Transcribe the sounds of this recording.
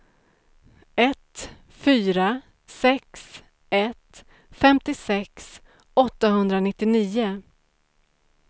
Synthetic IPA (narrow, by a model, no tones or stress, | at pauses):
ɛt̪ | fyːɾa | sɛks | ɛt̪ | fɛmt̪ɪsɛks | ɔt̪ːaɦɵnd̪ɾanɪt̪ːɪniːʊ